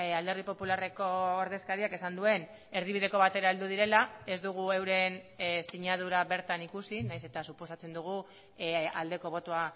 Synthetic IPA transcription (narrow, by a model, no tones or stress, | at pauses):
ald̪e̞ɾðipo̞pulare̞ko̞ːɾðe̞skaɾiake̞sand̪ue̞n | e̞ɾð̞iβ̞ið̞e̞ko̞βat̪e̞ɾaeld̪uð̞iɾe̞lae̞zd̪uɣ̞ue̞wɾe̞nsiɲaðuɾaβe̞ɾt̪anikusinajse̞t̪asupo̞sat͡se̞nd̪uɣ̞u | a̰ld̪e̞ko̞β̞o̞t̪oa